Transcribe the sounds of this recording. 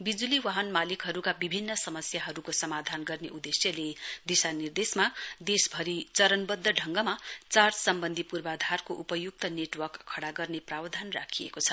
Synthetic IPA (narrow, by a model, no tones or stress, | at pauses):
bid͡zuliwaɦʌnmalikɦʌɾukabibʱinːʌsʌmʌsjaɦʌɾukosʌmad̪ʱanɡʌrneʔud̪esjʌled̪isanird̪esmad̪esbʱʌɾit͡sʌɾʌnbʌd̪ʱːʌɖʱʌŋɡʌmat͡sarsʌmbʌnd̪ʱipurbad̪ʱarkoʔupʌjuk̚t̪ʌneʈwʌrkkʰːʌɽaɡʌrneprawd̪ʱanra̰kʰijḛkot͡sʰʌ